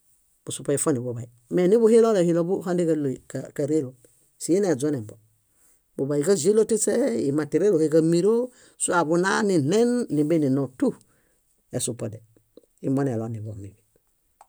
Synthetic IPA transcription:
b̥u˨supa˨i˨fo˦ni˨buba˨i | me˨ni˦bu˦he˦lo˦le˨hilo˦buhandi˦kalo˨ikakaɾe˦lo | si˨je˦ne˨d͡ʒo˦ne˨mbo | bu˨ba˨ika˦ze˦lo˦ti˦seimati˨ɾe˦lohekamiɾo | sua˨buna˦ni˨nenːi˨be˦ni˨no˨tu˦ | e˨supode | i˨mone˨lo˨ni˨bo˨mibi

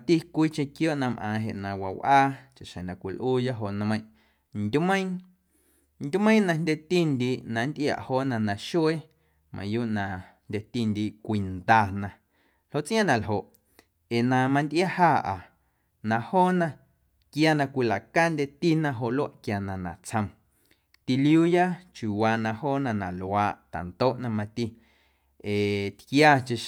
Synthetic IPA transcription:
t̪i˦kʷiː˦t͡ʃẽ˧kjoː˦ʔnã˧mʔãː˨ɦe˨ʔnã˨wa˨wʔaː˦t͡ʃa˨ʃẽ˨nã˨kʷi˨lʔuː˦ja˦ʔɦo˧˨ʔñ˧mə̃˧˦j̃ | nd̪ʲu˦mə̃˦j̃ | nd̪ʲu˦mə̃˦nã˧nd̪ʲe˧t̪i˦nd̪i˧˨ʔnã˨˦nd̪ʔja̰˨ʔhoː˦˨ʔnã˧nã˨ʃwe˦ | mʔã̰˧˨juː˦ʔnã˨nd̪ʲe˧t̪i˧nd̪i˧˨ʔkʷi˨nd̪aː˧nã˧ | l̥o˦ʔt͡sʔj̃ã˦nã˨lɦo˨ʔ | e˨nã˧mã˧nd̪ʔja˦haː˦˨ʔa˨ | nã˧˨hoː˦nã˧ | kjaː˦˧nã˧kʷi˧la˨ka˦nd̪ʲe˧t̪i˦nã˧ɦo˧˨ʔlo˦a˦ʔkja˨nã˨nã˨t͡sʰə̃˧m | t̪i˧lijuː˦ja˦t͡ʃu˨waː˧nã˧hoː˦˨nã˧˨nã˨laː˨ʔt̪a̰˨nt̪oː˦ʔnã˧mã˧t̪i˧ | e˨t̪kjaː˧t͡ʃe˧

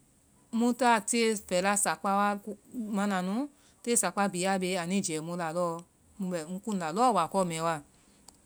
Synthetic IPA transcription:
mũ˧ta˦˨ti˦e˧fɛ˨la˧sa˨k͡pa˧wa˧mã˧nã˨nũ˨˦ | te˦˨sa˨k͡pa˧bi˨˦a˦˧be˧˦a˨nĩ˦˨d͡ʒɛ˨mõ˧la˨lɔ˦˧ | mũ˧bɛ˨ŋ̩˦˧˦kũ˦n̩˧la˨lɔ˦˨wa˨kɔ˧˦˨mɛ̃˨˦wa˧˨

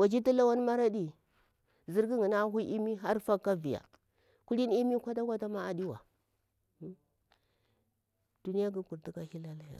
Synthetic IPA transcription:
wa˨d͡ʒi˦ti˦la˦wa˦n˦ma˦ɾa˦di˦ | zi˦ɾɡi˦ŋi˨na˦ɦu˦ʔi˦mi˦ɦa˦ɾfa˦kːa˦vi˨ja̰˨ | ku˦li˦n˦i˦mi˦kʷa˦ta˦kʷa˦ta˦ma˦a˨di˦wa˨˦ | d̥u˨ni˦ja˦ɡi˦ku˨ɾti˦ka˦hi˦la˦la˦ja̰˨

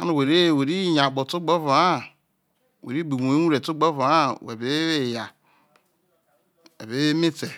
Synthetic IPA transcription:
a˦no˨we˨ɾe˦˨we˨ɾi˦˨ɲa˨ɡ͡bo˨tu˦ɡ͡bo˦va˨a˦ | wḛ˨ɾi˦bu˨mu˨i˦u˦ɾe˨tu˦ɡ͡bo˦va˨a˦wḛ˨be˦we˦˨ja˨ | ḛ˨βe˨˦mi˦te˨

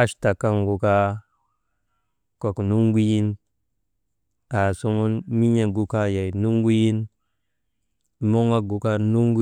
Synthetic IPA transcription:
a˦ʃta˨ka˦ŋɡu˨ka˦ | ko˨knu˦ŋ˦ɡu˦ji˦n | a˨so˦ŋu˦nmi˦ɲe˨ɡu˦ka˦ja˨jnu˦ŋ˦ɡu˦ji˦n | mo˦ŋa˦ɡu˨ka˦nu˦ŋɡu˦

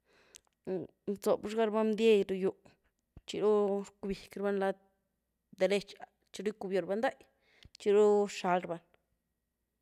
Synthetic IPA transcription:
t͡so˨bʃɡa˦ɾba˦md̪je˦jɾu˧ju˨ | t͡ʃi˧ɾu˦ɾku˧bi˨kɾba˦nla˦ | d̪e˨le˧t͡ʃa˨ | t͡ʃi˦ɾu˦jku˧bjo˨ɾba˦nd̪a˦j | t͡ʃi˧ɾu˦ʃa˧˦lɾba˧n

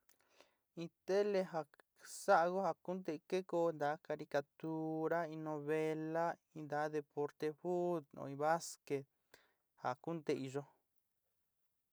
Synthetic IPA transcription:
ĩ˧t̪e˦le˧ɦa˧ | sa˦ʔɣo˦ha˧ku˦nd̪e˧ke˦ko˧nd̪a˨˦ka˧ɾi˧ka˧t̪u˧ɾa˦ĩ˧nõ˧βe˧la˦ĩ˧nd̪a˨˦ðe˧po˧ɾt̪e˧ɸu˦d̪nõ̰˧ĩ˧βa˦ske˧t̪ | ha˨ku˦nt̪e˧i˧ʒo˧

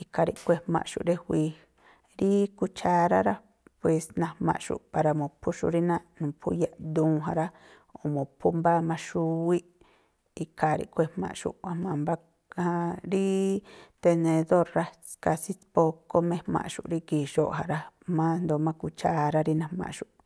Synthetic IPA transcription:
i˧ka˧ɾḭ˧ʔkʷe˧hmã̰˧ʔʃṵ˨ʔɾe˦hʷi˧ | ɾi˦ku˧t͡ʃa˧ɾa˦ɾa˦ | pwe˧snã˧mã̰˧ʔʃṵ˨pa˧ɾa˧mõ˨pʰu˦ʃṵ˧ɾi˦nã˦nũ˨pʰṵ˦ja˧d̪ũː˦˧ɦã˧ɾa˦ | o˨mõ˨pʰu˦mba˦mã˧ʃu˦wi˦ | i˧ka˨ɾḭ˧kʷe˧hmã̰˧ʔʃṵ˧˨ʔʷã˧mã˧mba˦ | hã˧ɾi˦t̪e˧nẽ˧ðo˦˨ɾɾa˦ska˧si˦po˧ko˦mẽ˦hmã̰˧˨ʃṵ˨ɾi˦ki˧˨ʃo˧˨ʔɦa˧ɾa˦mã˦nd̪o˧mã˦ku˧t͡ʃa˦˧ɾa˦ɾi˦nã˧hmã̰˧˨ʃu˨ʔ

